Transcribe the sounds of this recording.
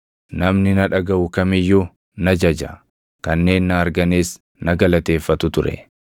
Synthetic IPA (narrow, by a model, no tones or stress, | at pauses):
nɐmnɪnɐᶑɐɡɐʔʊkɐmɪjːʊ | nɐd͡ʒɐd͡ʒɐ̰ | kɐnːe̞ːnːɐːɾɡɐneːs | nɐɡɐlɐt̪e̞ːfːɐt̪ʊt̪ʊɾɛ̰